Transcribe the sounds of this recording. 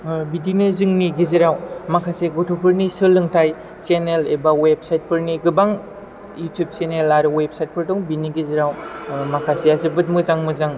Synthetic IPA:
bidinɯzɯŋniɡiziɾawmakʰaseɡotʰopʰɯɾnisɯlːɯŋtʰaj | t͡ʃenelebaweb̚sajt̚pʰɯɾniɡɯbaŋ | jutʰjub̚senelaɾɯweb̚sajt̚pʰɯɾdɔŋbiniɡiziɾawmakʰaseazɯbɯt̚mɯzaŋmɯzaŋ

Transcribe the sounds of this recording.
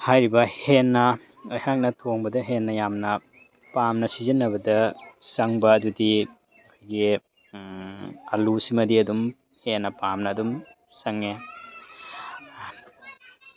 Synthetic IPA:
hajɾibɐhenːɐ | ojhak̚nɐtʰoŋbɐdɐɦenːɐjamnɐ | pamnɐsizinːɐbɐdɐsɐŋbɐːdudi | kʰojɡi | ɐlusimɐdiɐdum | henːɐpamnɐːdum | sɐŋe

